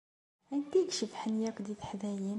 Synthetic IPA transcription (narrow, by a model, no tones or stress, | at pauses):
ænt̪ikʃəfħənjækd̪it̪ħðæjin